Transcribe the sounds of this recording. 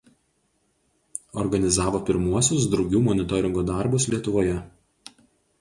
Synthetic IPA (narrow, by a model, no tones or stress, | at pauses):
ɔɾɡɐnʲɪzɑːʋoːpʲɪɾmuɔsʲʊs̬d̪ɾɔʊɡʲuːmɔnʲɪt̪ɔɾʲɪŋɡuːd̪ɑˑɾbʊslʲiɛt̪ʊʋoːjɛ